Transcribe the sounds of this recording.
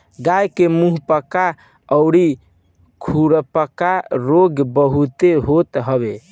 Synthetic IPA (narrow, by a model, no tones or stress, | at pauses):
ɡajkemuɦpəka | əʊɽi | kʰuɽpəkaɾoɡbəɦut̪eɦot̪ɦəbe